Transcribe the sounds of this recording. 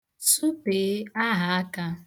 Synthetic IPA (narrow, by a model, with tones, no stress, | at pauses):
su˦pe˨˦a˦ɦa˨a˦ka˦